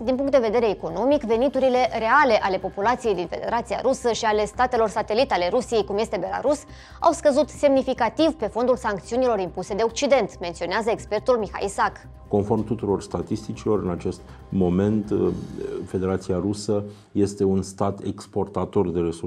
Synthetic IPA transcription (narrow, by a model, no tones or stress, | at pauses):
d̪inpuŋkt̪d̪e̞ved̪e̞ɾe̞ːko̞no̞mikve̞nit̪uɾile̞re̞ale̞ʔale̞po̞pulat̪sijejd̪infe̞d̪e̞̰ɾat̪sia̰ɾusəʃiale̞st̪at̪e̞lo̞rsat̪e̞lit̪ale̞ɾusije̞jkumje̞st̪e̞be̞la̰ɾus | a̰wskəzut̪se̞mnifikat̪ivpe̞fo̞nd̪ulsaŋk̚t̪siunilo̞ɾimpuse̞d̪e̞o̞k̚t͡ʃid̪e̞nt̪ment̪sio̞neazəekspe̞rt̪ulmixa̰isak | ko̞nfo̞rmt̪ut̪uɾo̞rst̪at̪ist̪it͡ʃilo̞ɾɨnat͡ʃe̞st̪ | mo̞me̞nt̪ | fe̞d̪e̞ɾat̪siaɾusə | je̞st̪e̞unst̪at̪e̞̰kspo̞rt̪at̪o̞rd̪e̞ɾesu